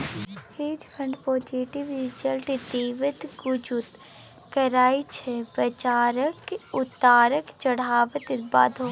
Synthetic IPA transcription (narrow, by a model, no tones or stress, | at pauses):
heːd͡ʒpʰə̃ɳɖpoːd͡ʒiːʈiʋid͡ʒəlʈid̪iːʋət̪ɡʊd͡ʒut̪ | kɐɾaːit͡ʃʰɛpɐt͡ʃaːɾəkʊt̪ːaːɾəkt͡ʃɐɽ̤aːʋət̪ɪt̪̚ba̰ːd̪ʱoː